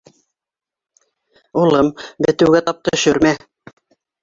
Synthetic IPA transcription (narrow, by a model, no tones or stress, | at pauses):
ulˠɤmbɘ̆t̪ɘ̆wɡæt̪ɑp̚t̪ɤɕɵɾmæ